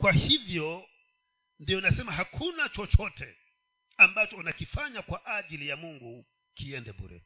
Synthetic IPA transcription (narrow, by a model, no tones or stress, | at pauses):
kwahivjɔ | ndiɔnasɛmaɦakʰunat͡ʃɔt͡ʃɔtʰɛ | ambat͡ʃɔunakifaɲakwaʔaʄilijamuŋɡu | kiɛndɛɓṵɾɛ̰